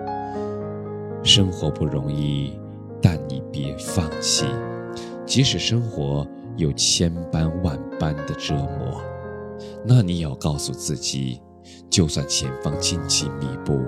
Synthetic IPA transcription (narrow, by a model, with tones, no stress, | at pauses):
ʂɤ˥ŋxwɔ˧˥pu˥˩ɻʊ˧˥ŋi˥˩ | t̪a˥˩nni˨˩pjɛ˧˥fɑ˥˧ŋt͡ɕʰḭ˥˩ | t͡ɕi˧˥ʂɻ̩˨˩ʂɤ˥ŋxwɔ˧˥ | jo˨˩ʊt͡ɕʰjɛ˥npa˥nwa˥˩npa˥nd̪ə˨ʈ͡ʂɤ˥mwɔ̰˧˥˦ | na˥˩ni˧˥jɑ˥˩ʊkɑ˥˧ʊsu˥˧t͡sɹ̩˥˩t͡ɕḭ˨˩ | t͡ɕjo˥˧ʊswa˥˩nt͡ɕʰjɛ˧˥nfɑ˥ŋt͡ɕi˥˧nt͡ɕʰi˥˩mi˧˩pu˥˩